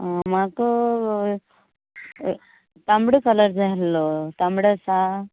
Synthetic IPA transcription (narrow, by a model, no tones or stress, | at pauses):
ãmako | t̪ambɽəkələɾd͡zʱaɦlːɔt̪ãmbɽəsa